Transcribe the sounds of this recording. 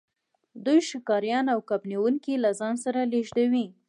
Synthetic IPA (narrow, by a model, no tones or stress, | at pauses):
d̪ujʃɪkɑɾjɑnawkapniwuŋkilazɑnsaɾaleʒd̪awi